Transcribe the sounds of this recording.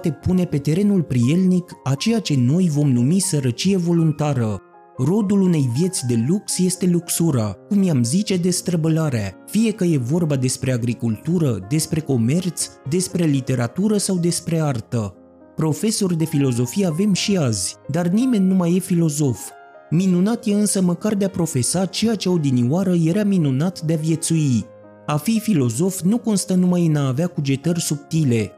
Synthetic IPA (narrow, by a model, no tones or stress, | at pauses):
t̪e̞pune̞pe̞t̪e̞ɾe̞nulpɾie̞lnikat͡ʃe̞jat͡ʃe̞no̞jvo̞mnumisəɾət͡ʃije̞vo̞lunt̪aɾə | ro̞d̪ulune̞jvje̞t̪sʲd̪e̞luksje̞st̪e̞luksuɾakumjamzit͡ʃe̞d̪e̞st̪ɾəbəlaɾeafije̞kəje̞vo̞rbad̪e̞spɾe̞aɡɾikult̪uɾəd̪e̞spɾe̞ko̞me̞rt̪sd̪e̞spɾe̞lit̪e̞ɾat̪uɾəsawd̪e̞spɾe̞art̪ə | pɾo̞fe̞so̞rʲd̪e̞filo̞zo̞fije̞ave̞mʃiazʲd̪arnime̞nʲːumaje̞filo̞zo̞f | minunat̪je̞ɨnsəməkard̪e̞apɾo̞fe̞sat͡ʃe̞jat͡ʃeod̪iniwaɾəje̞ɾaminunat̪d̪eavje̞t̪sui | afifilo̞zo̞fnuko̞nst̪ənumajɨnaːveakud͡ʒe̞t̪ərʲsup̚t̪ile̞